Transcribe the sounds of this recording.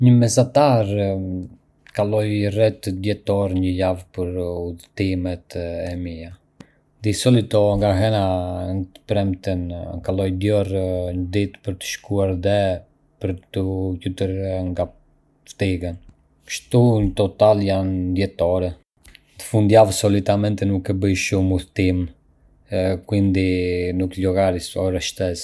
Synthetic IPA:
ɲəmɛzat̪aɾ | kalɔjrɛt̪d̪jɛt̪ɔɾɲəjavpəɾuðt̪imɛt̪ɛmija | d̪isɔlit̪ɔŋɡaɦɛnaŋt̪ə̥pɾɛmt̪ənkalɔjd̪jɔrɲəd̪it̪pəɾt̪ə̥ʃkuaɾðɛ | pəɾt̪ucut̪əɾŋɡa | ft̪iɡən | kʃt̪uɲət̪ɔt̪aljand̪jɛt̪ɔɾɛ | t̪ə̥fund̪javsɔlit̪amɛnt̪ɛnukɛbəjʃumuθt̪im | kwind̪inuklɔɡaɾisɔɾɛʃt̪ɛs

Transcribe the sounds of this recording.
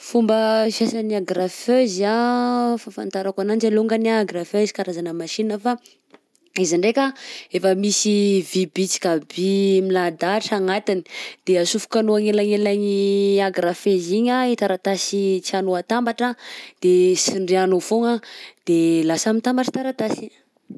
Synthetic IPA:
fumbəʃasaniaɡɾaføzafafa̰nt̪aɾakanand͡ʒaloŋɡanaɡɾafezi̥kaɾazanəmaʃinəfa | iziɳɖ͡ʐekʲaefəmisivibit͡si̥kabimilad̪aʈ͡ʂaŋat̪ini̥d̪̥easufu̥kanoaŋelaŋelaɲiaɡɾafeziɲait̪aɾat̪asit͡sianoat̪ambaʈ͡ʂad̪̥esiɳɖ͡ʐeanofoŋad̪̥elasamit̪ambaʈ͡ʂə̥t̪aɾat̪asiɲ

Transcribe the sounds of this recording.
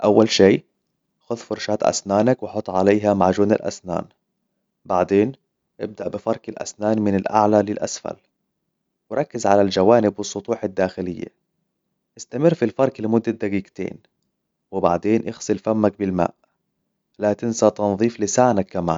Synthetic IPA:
ʔawːalʃeː | xʊðfʊɾʃaːt̪ʔa̰snaːnakwɪħʊt̪ˤːʕalejːɦamaʕʒuːnɪ̰lʔa̰sna̰ːn | baʕd̪eːn | ʔɪ̰b̚d̪aʔbɪfɑɾˤkɪlʔa̰snaːnmɪnɪlʔa̰ʕlalɪlʔa̰sfa̰l | wɪɾˤɑkːɪzʕalald͡ʒawaːnɪbwɨsˤːʊt̪ˤuːħad̪ːaːxɪlɪjːa̰ | ʔɪst̪amɪrːfilfɑɾˤklɪmʊd̪ːad̪aɡiːɡt̪ḛːn | wɪbaʕd̪eːnʔɪɣsɨlfamːak̚bɪlma̰ːʔ | lat̪ɪnsat̪ɑnðˤiːflɪsaʕnakːama̰ːn

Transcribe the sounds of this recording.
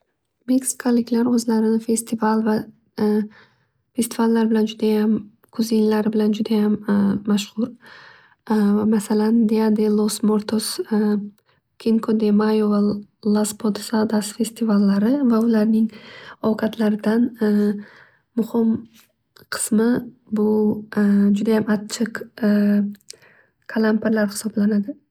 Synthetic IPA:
meksi̥kʰalɪɡʲlaɾɵzlaɾɪnɪfe̞st̪ʰivalˠva | fe̞st̪ʰivalːaɾbɪland͡ʒʊd̪ajam | kʰʊzɪnlaɾɪbɪland͡ʒʊd̪ajamːaʃhʊɾ | masaland̪ead̪elˠosmoɾt̪ʰos | kʲʰenkʰod̪emajovalˠaspʰod̪sad̪asfe̞st̪ʰivalːaɾɪvaʊlaɾnɪŋowqʰat̪ʰlaɾɪd̪an | mʊhɪm | qʰɨ̥smɪbʊ | d͡ʒʊd̪ajamat̪t͡ʃʰɪq | kʰalˠampeɾlaɾhɪ̥sɒblanad̪ɪ

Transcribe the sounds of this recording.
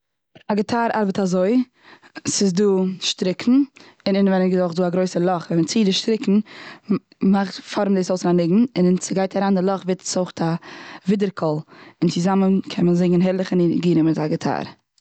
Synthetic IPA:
aɡətʰaːɾa̰ɾbətazoɪ | sɪzduːʃtɾɪkʰn̩ | ɪnɪnvɛnənɡzɔχduːaɡɾoɪsəlˠɔχvɛnmət͡siːdɪʃtɾɪkn̩ | maχtfɔɾm̩disoʊsɪnanɪɡŋ̩ɪnnsɪɡaɪtaɾaːndɪlˠɔχvɪtt͡soʊχtʰavɪdəɾkʰɔlˠɪnt͡sɪzamənkʰɛnmənzɪŋənɦɛɾlˠɪχənɪɡiːɾəmɪtaɡətʰa̰ːɾ

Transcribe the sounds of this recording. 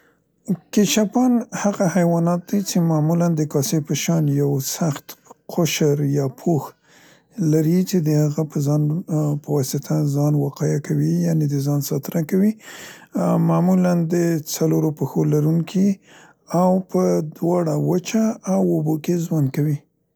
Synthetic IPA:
keʃapɑnhaɣahajwɑnɑt̪̚d̪ajt͡ʃemamuland̪əkɑsepəʃɑnjawsaxt̪qʰʊʃəɾjɑpʰox | laɾit͡ʃed̪əhaɣapəzɑnpəwɑsɪt̪ʰazɑnwaqɑjakawijɑned̪əzɑnsɑt̪ɾakawi | mamuland̪ət͡saloɾopəxolaɾuŋkʰi | awpəd̪wɑɽawət͡ʃaːwobokezwand̪̚kawi

